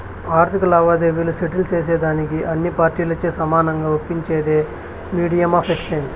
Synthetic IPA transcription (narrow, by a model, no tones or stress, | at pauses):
aːɾt̪ʰikɐlaːʋaːd̪eʋiːluseʈilt͡ʃeːs̬eːd̪aːnikiʔɐnːipaːɾʈiːlɐt͡ʃːeːsɐmaːnɐŋɡaːʋopːiɲt͡ʃeːd̪eː | miːɽijɐmaːpʰekst͡ʃeːɲd͡ʒ